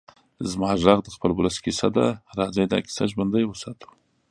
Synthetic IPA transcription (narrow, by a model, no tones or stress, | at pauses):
zmɑʐɑɣd̪əxpəlbʊləskisad̪aɾɑzajd̪ɑ̰ki̥sa̰ʒband̪ajwəsɑt̪ʰu̥